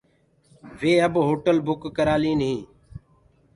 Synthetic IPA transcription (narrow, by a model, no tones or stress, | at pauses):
ʋeːəbɦoːʈəlbʊkːəɾaːlĩːnəɦĩː